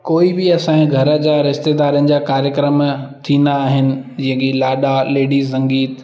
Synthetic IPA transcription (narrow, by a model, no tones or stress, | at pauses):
koːibɪɐsãẽɡʱɐɾə̆d͡ʑaːɾɪʃt̪ed̪aːɾijənɪ̆d͡ʑaːkaːɾjəkɾəmt̪ʰĩnd̪aːɦɪnɪ̆d͡ʑɪ̃ɦə̃kilaːɗaleːɖiːs̬ɐ̃ŋɡiːt̪